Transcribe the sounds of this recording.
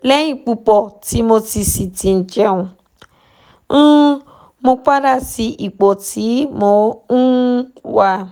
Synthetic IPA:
lɛ˦j̃ĩ˦˧k͡pu˧k͡pɔ˨ti˨˦mo˧ti˧si˨ti˨˧n̩˨d͡ʒɛ˨˦ũ˧˦ | mo˧k͡pa˦da˦˨si˧ʔi˨k͡po˨tʰi˨˦mo˧ũ˦wa˧

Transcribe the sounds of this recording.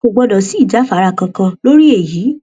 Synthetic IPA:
o˨ɡ͡bɔ˧dɔ˨si˨˦i˦˨d͡ʒa˨˦fa˨˦ɾa˧˨kã˧kã˧lo˦ɾi˦e˦˨jiː˨˦

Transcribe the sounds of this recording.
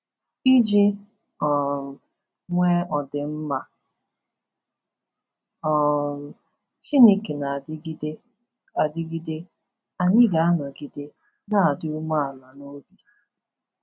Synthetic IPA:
i˦d͡ʒe˦ | ɔ˨ | ŋʷe˦ɔ˨dɪ˨m̩˦ma˦˨ | ɔ˨ | t͡ʃi˦ni˦kɪ˨na˨dɡi˦de˦ | a˨dɪ˦ɡi˦de˦ | a˨ɲɪ˦ɡa˨a˦nɔ˨ɡi˨de˦ | na˦a˨dɪ˦u˦ma˦a˨la˨no˦bi˦

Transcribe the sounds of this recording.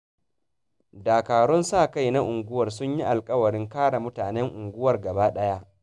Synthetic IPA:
daː˨kaː˨ɽɔ˦nsaː˦˨ka˦˨jna˦ʔʊ˨ŋɡʷʊ˦wɐ˨rsʊ˦ɲji˦ʔa˨lkʼɐ˦wɐ˨ɾɪ˦ŋkaː˦ɽa˨mʊ˦taː˨nɛ˦ŋʔʊ˨ŋɡʷʊ˦wɐ˨rɡɐ˨baː˦ɗɐ˦ja˦ʔ

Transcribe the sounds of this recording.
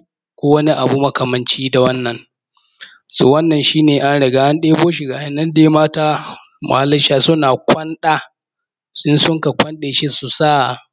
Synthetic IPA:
kʷoː˦wɐ˦ni˦ʔa˨bu˦mɐ˦kɐ˨mɐ˨nt͡ʃiː˦da˨wɐ˦nːɐ˨ŋ | sṵ˨wɐ˦nːɐ˨nʃiː˦neː˨ʔa˦nɽɪ˨ɡaː˦ʔa˦nɗeː˦boː˦ʃ̬i˨ɡa˨jɪ˦˨nːɐ˦ndeː˦˨˦maː˦taː˦ | mʊ̰˨ha˦lːɐ˦ʃaː˨sʊ˦naː˨kʷɐ˦nɗaː˦ | sʊ˦nsʊ˦ŋka˨kʷɐ˦nɗeː˨ʃi˦su˨saː˦˨

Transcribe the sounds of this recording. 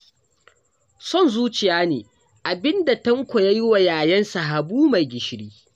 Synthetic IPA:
sɔ˦˨nzuː˦t͡ʃɪ˨jaː˦neː˨ | ʔa˨bɪ˦nda˨tɐ˦ŋkʷɔ˨ja˦ji˦wa˨jaː˨jɛ˦nsa˨ɦa˨buː˦ma˨jɡʲɪ˨ʃɽiː˦

